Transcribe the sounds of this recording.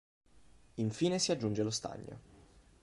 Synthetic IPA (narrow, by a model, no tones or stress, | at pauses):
iɱfiːnesiad͡ʒːund͡ʒelost̪a̰ɲːo̰